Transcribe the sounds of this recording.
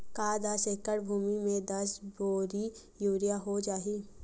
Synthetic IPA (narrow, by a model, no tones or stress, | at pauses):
kaːd̪aseːkəɽbʱuːmimẽd̪ɐsboːɾijuːɾijaɦod͡ʒaːiː